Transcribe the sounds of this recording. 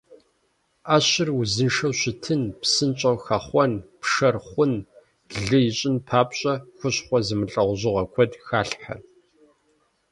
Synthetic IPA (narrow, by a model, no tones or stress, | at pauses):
aːɕɪruzɨnʂɐwɕɪtʰɨnpsɨnt͡ʃʼɐwxɐχʷɔnpʂɐrχʷʊn | ɮɨjɪɕʼɪnpʰaːpʼɕʼɐxʷʊɕχʷɔzɨmɨɬʼɐʁʷʑɪʁɐkʷʰɔdxaːɬħa̰